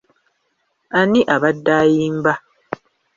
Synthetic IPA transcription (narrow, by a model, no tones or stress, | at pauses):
aniʔaβadːaːjiːmba